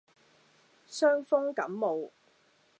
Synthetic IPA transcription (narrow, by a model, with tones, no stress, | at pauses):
sœː˥ŋfɔ˥ŋkɐ˨˥mːo˨˧w